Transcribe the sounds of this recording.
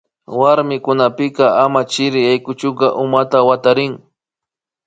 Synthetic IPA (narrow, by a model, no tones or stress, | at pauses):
waɾmɪkʊnapɪkɑamat͡ʃɪɾɪjajkʊt͡ʃʊkɑʔʊmat̪awat̪aɾɪŋ